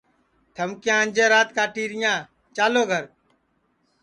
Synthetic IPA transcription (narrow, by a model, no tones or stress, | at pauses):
t̪ʰəmkjãːənʲd͡ʒeːɾaːt̪kaːʈiːɾɪjãː | t͡ʃaːloːɡʱəɾ